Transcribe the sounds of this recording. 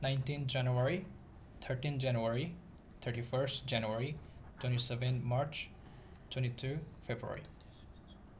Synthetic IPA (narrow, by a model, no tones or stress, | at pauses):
nãjnʈĩnd͡ʒanuaɹi | t̪ʰəɾʈĩnd͡ʒanuaɹi | t̪ʰəɾʈifʰəɾsʈd͡ʒanuaɹitwẽnisevẽnmaɾt͡ʃ | tʰwẽñit̪ʰufʰebɾua̰ɹḭ